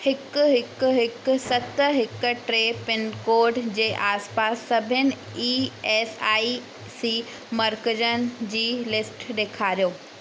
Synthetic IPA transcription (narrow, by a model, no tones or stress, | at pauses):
hɪkʊɦɪkʊɦɪkʊ̆sɐt̪əɦɪkʈɾeːpɪnkoːɾɖd͡ʑeːʔaːspaːsːɐbʱɪnɪ̆ | iːeːsaːi | siː | mɐɾkəd͡ʑənɪ̆d͡ʑiːlɪsʈɗeːkʰaːɾijoː